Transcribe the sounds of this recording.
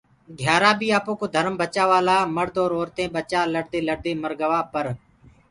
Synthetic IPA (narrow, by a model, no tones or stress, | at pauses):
ɡʱjaːɾãːbʱiːaːpoːkoːd̪ʱəɾmbət͡ʃaːʋaːlaːməɽd̪oːɾoːɾt̪ẽːɓət͡ʃaːləɽd̪eːləɽd̪eːməɾɡəʋaːpəɾ